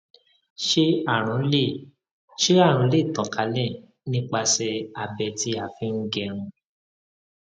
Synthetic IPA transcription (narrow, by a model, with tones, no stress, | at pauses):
ʃe˦a˦˨ɾ̃ũ˨˦le˦˨ | ʃe˦a˦˨ɾ̃ũ˨˦le˦˨tɔ̃˨ka˨˦lɛ̃˦˨ | nĩ˦k͡pa˧sɛ˧a˨bɛ˧ti˦a˨fĩ˦ŋ̩˦ɡɛ˧ɾ̃ũ˧